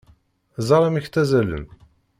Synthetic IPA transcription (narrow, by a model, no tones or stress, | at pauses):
zˤɑɾˤɑmiçt̪æzælə̰n